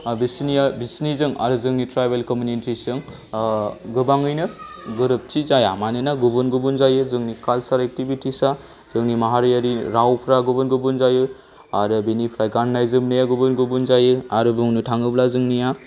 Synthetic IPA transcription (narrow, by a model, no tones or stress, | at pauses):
bisnijabisnizɯŋa̰ɾɯzɯŋnitʰɾajbelkomjunitisɯŋ | ɡɯbaŋɯjnɯ | ɡɯɾɯp̚t͡ʃizajamanɯnaɡubɯnɡubɯnzajɯzɯŋnikalsaɾek̚tibitisa | z̥ɯŋnimaɦaɾijaɾiɾawpʰɾaɡubɯnɡɯbɯnzajɯ | aɾɯbinipʰɾajɡannajzɯmnɯjaɡubɯnɡubunzajɯaɾɯbɯŋnɯtʰaŋɯblazɯŋnija